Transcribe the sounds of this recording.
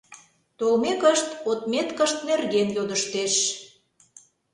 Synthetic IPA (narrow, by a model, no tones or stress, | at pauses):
t̪olmekəʃt̪ot̪met̪kəʃt̪̚nerɣenjod̪əʃt̪eʃ